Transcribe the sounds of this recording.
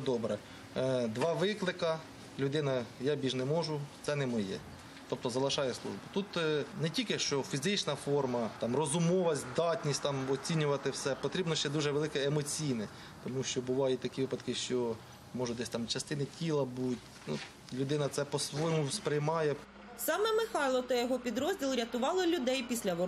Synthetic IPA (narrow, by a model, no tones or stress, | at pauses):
d̪ɔbɾɛ | d̪ʋɑʋɪklˠɪkɐ | lʲʊd̪ɪnɐjɑbʲiʒnɛmɔʒʊt̪sɛnɛmɔjɛ̰ | t̪ɔp̚t̪ɔzɐlˠɪʃɑjɛslˠṵʒbʊt̪ut̪nɛtʲilʲkɪʃt͡ʃɔfʲizɪt͡ʃnɐfɔrmɐt̪ɑmrɔzʊmɔʋɐzʲd̪ɑtʲnʲisʲtʲt̪ɑmɔt͡sʲinʲʊʋɐt̪ɪwsɛpɔt̪ɾʲibnɔʃt͡ʃɛd̪uʒɛʋelˠɪkɛemɔt͡sʲijnɛ | t̪ɔmuʃt͡ʃɔbʊʋɑjʊt̚ʲt̪ɐkʲiʋɪpɐd̪kɪʃt͡ʃɔ | mɔʒʊd̪ɛsʲt̪ɑmt͡ʃɐst̪ɪnɪtʲʰilˠɐbutʲ | nṵ | lʲʊd̪ɪnɐt̪sɛpɔsʋɔjmʊspɾɪjmɑjɛ | sɑmɛmɪxɑjlˠɔt̪ɔjɔɦɔpʲid̪ɾɔzʲdʲilˠɾʲɐt̪ʊʋɑlˠɔlʲʊd̪ɛjpʲisʲlʲɐʋɔ